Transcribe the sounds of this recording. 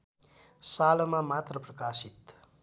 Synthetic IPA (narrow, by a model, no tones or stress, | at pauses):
salmamat̪rəprəkasit̪